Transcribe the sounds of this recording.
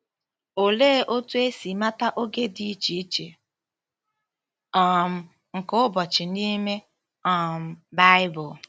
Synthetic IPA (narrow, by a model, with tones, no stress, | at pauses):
o˨leː˦ʔo˦tu˦e˦si˨ma˦ta˦ʔo˦ɡe˦di˨˦t͡ʃi˨˦t͡ʃe˨ | ɔ˨m̩˨ | ŋ̩˨kʊ˦bɔ˨t͡ʃɪ˨ni˦me˦ | ɔ˨m̩˨ba˦ɪ˦bʊ˨